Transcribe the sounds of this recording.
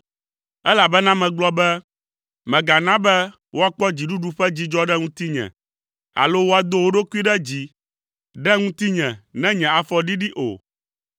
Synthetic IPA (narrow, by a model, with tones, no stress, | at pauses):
ɛ˦la˨bɛ˦nã˦mɛ̃˨ɡ͡blɔ˦bɛ˦ | mɛ̃˨ɡa˨nã˦bɛ˦ | wo˦a˨k͡pɔ˦d͡ʑi˨ɖu˦ɖu˦ɸɛ˦d͡ʑi˦d͡ʒɔ˦ɖɛ˦ŋũ˦t̪i˦ɲɛ̰̃˨ | a̰˨lo˦wo˦a˨d̪o˦wo˦ɖo˦ku˦i˦ɖɛ˦d͡ʑi˦ | ɖɛ˦ŋũ˦t̪i˦ɲɛ̃˨nɛ̃˦ɲɛ̃˨a˨fɔ˨ɖi˦ɖi˦ʔo̰˨